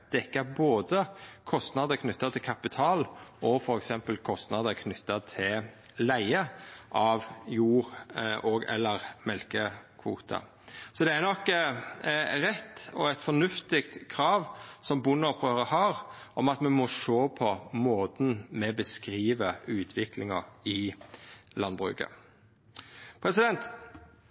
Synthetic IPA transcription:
d̪̥ɛkːəboːd̪əkʰɔst̪nɑd̪əkʰnʏt̪ːɑt̪ʰɪlkʰɑpɪt̪ʰɑːlɔfɔɾɛksɛmpəlkʰɔst̪nɑd̪əkʰnʏt̪ːɑt̪ʰɪl | læɪəʔɑʋjuːɾʔɔɡɛ̰lːəʁmɛlkəkʰʋṵːt̪ʰɑ̰ | sɔd̪ɛæɾnɔk | ʁɛt̪ːɔæt̪fɔnʉft̪ɪkt̪kʰɾɑːʋsɔmbʊnːɑpʰʁøʁəhɑɾ | ʔɔmɑt̪mɛmɔʂoːpʰɔmoːt̪n̩mɛbəskɾiːʋəʉːt̪ʰʋɪklɪŋɑʁɪ | lɑnbʁʉ̰kə̰ | pʰɾɛsɪd̪ɛnt̪

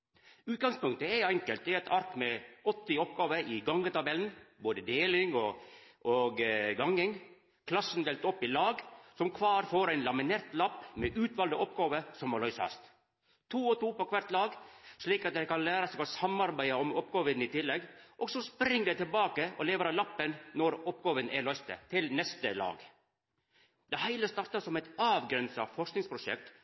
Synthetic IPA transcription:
ʉːt̪̚ɡɑŋspʉŋkt̪əɛɛŋkəlt̪̚d̪ɛɛt̪ʰɑɾk̪mɛɔt̪ːɪɔpɡɑːʋəʔɪɡɑŋːət̪ɑbɛln̩boːd̪əd̪eːlɪŋɔʔoɡɡɑŋːɪŋ | kʰlɑsːn̩d̪eːlt̪ɔpːɪlɑːɡsɔmkʰʋɑːɾfoːɾæɪnlɑmɪneːɾt̪lɑpːmɛʔʉːt̪ʋɑld̪əʔɔpɡɑːʋəsɔmɔlœʏsɑ̰st̪ | t̪ʰuːɔt̪ʰuːpɔkʰʋæɾt̪lɑːɡʂɭiːkɑt̪̚d̪ɛɪkɑnlæːɾɑsɛɡɔsɑmɑɾbæɪəɔmɔpɡɑːʋənɪt̪ʰɪlːɛɡʔɔːɡsɔspɾɪŋːd̪ɛɪt̪ɪlbɑːkəʔɔ̰leːʋəɾɑlɑpːənnɔɾɔpɡɑːʋənæɭœʏst̪ə̰t̪ʰɪlnɛst̪əlɑ̰ːɡ | d̪̥ɛhæɪləst̪ɑɾʈ̪ɑsɔmɛt̪ɑːʋɡɾɛnsɑ̰fɔʂknɪŋspʰɾʊʂɛ̰k̚t̪

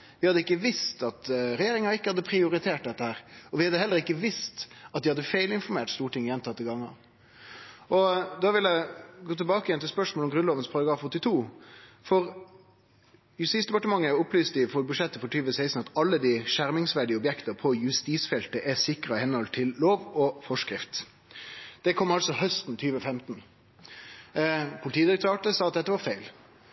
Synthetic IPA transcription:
ʋɪhɑd̪ːəɪkːəʋɪst̪ɑt̪ɾɛjeːɾɪŋɑɪkːəhɑd̪ːəpʰɾɪʊɾɪt̪ʰeːʈ̚d̪ɛt̪ːəhæːɾɔʋɪhɑd̪ːəhɛlːəɾɪkːəʋɪst̪ɑt̪̚d̪ɪhɑd̪ːəfæɪlɪnfɔɾmeːʈst̪uːʈʰɪŋjɛnt̪ʰɑt̪ːɪɡɑŋːɑ̰n | ɔd̪ɑʋɪlæɪɡoːt̪ʰɛlbɑːkəɪjɛnt̪ʰɪlspœʂmoɔlɔmɡɾʉnloːʋənspʰɑɾɑɡɾɑːfɔt̪ːɪt̪ʰuːfɔɾ | jʉst̪iːsd̪ɛpɑʈəmɑŋːəʊplyːst̪əɪfɔbʉʂɛt̪ːəfɔt̪yːʋəsæɪst̪n̩ɑt̪ɑlːəd̪ɪʃæɾmɪŋsʋæɖɪəɔbjɛkt̪əɾpʰɔjʉst̪iːsfɛlt̪əʔɛsɪkɾəɪhɛnɔlt̪ʰɪlːoːʋɔfɔʂkɾɪft̪ | d̪̥ɛkʰɔmːɑlsɔhœst̪nt̪ʰyːʋəfɛmt̪n | pʰʊlɪt̪ʰiːd̪ɪɾək̚t̪ʰɑːʈəsɑːɑt̪̚d̪ɛt̪ːəʋɑɾfæɪl

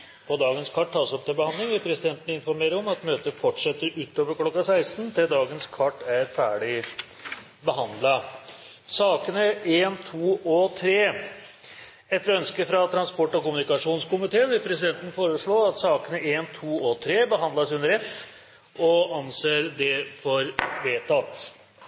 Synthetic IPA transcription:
pʰɔd̪ɑːɡənskʰɑʈ̪ːɑːlsɔpt̪ʰɪlbəhɑnd̪lɪŋʋɪlpʰɾɛsɪd̪ɛnt̪ənəɪnfɔɾmeːɾəɔmɑt̪møːt̪əfɔʈʂɛt̪ːəɾʉːt̪ːoːʋəɾkʰlɔkːɑsæɪst̪nt̪ʰɪld̪ɑːɡənskʰɑʈːæɾfæːɖɪ | bəɦɑnd̪lɑ | sɑːkənəeːnt̪ʰuːɔt̪ʰɾeː | ɛt̪ːəɾœnskəfɾɑt̪ʰɾɑnspɔʈːɔkʊmʉnɪkɑʂuːnskʊmɪt̪ʰeːənʋɪlpʰɾɛsɪd̪ɛnt̪ənəfoːɾəʂɭoːɑt̪sɑːkənəʔeːnt̪ʰuːɔt̪ʰɾeːbəɦɑnd̪ɑsʉnd̪əɾɛf | ɔɑnseːɾd̪ɛfɔɾʋeːt̪ʰɑt̪ː

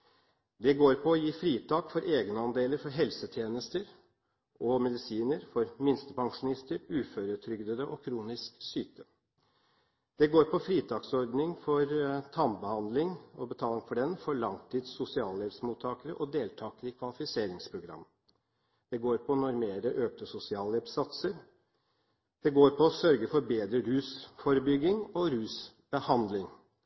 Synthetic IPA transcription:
d̪ɛɡoːɾpʰɔːjiːfɾiːt̪ʰɑːkfɔɾʔeːɡnəɑnd̪eːləɾfɔɾɦɛlsət̪ʰjeːnəst̪əɾ | ɔmɛd̪ɪsiːnəɾfɔɾmɪnst̪əpʰɑŋʂʊnɪst̪əɾʉːføːɾət̪ʰɾʏɡd̪əd̪əʔɔkʰɾuːnɪsksyːt̪ə | d̪̥ɛɡoːɾpʰɔfɾiːt̪ʰɑksɔɾd̪nɪŋfɔɾt̪ʰɑmbəhɑnd̪lɪŋɔbət̪ʰɑːlɪŋfɔɖɛnfɔɭɑŋt̪ʰiːd̪sʊsɪɑːlːɛʋsmuːt̪ʰːɑːkəɾəʔɔd̪eːlt̪ʰɑːkəɾɪkʰʋɑlɪfɪseːɾɪŋspʰɾʊɡɾɑ̰mː | d̪̥ɛɡoːɾpʰɔnɔɾmeːɾəʔøːk̚t̪əsʊsɪɑːlɛbsɑt̪səɾ | d̪̥ɛɡoːɾpʰɔːsœɾɡəfɔɾbeːd̪ɾəɾʉːsfɔɾəbʏɡːɪŋɔɾʉːs | b̥əhɑnd̪lɪŋ

